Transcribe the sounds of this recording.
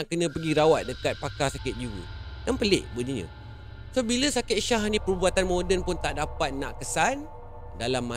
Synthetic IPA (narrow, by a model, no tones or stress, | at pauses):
aʔkənə̃pəɡiɾawat̪̚dəkat̪̚pakasakɪt̪̚d͡ʒiwə̰ | danpəlɪ̰ʔbəniɲə̰̃ | sobiləsakɪt̪̚ʃaɦnĩpəɾubuat̪anmodənpʊnt̪aʔdapat̪̚nã̰ʔkəsan | dalamːa